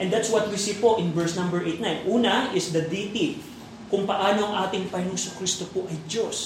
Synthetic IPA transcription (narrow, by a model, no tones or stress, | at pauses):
ʔɛ̃nd̪at̪swɐt̪̚wisiːpo̞ʔɪnvɛɹsnɐ̃mbɛɹʔejt̪najnʔuːnɐɪsd̪ɐd̪it̪i | kʊŋpɐʔaːno̞ɐŋʔaːt̪ɪŋpɐjnoŋsʊkɾist̪opoʔɐjd̪jos